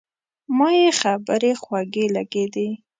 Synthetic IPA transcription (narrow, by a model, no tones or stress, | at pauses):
mɑjexabəɾexwaɡelaɡed̪e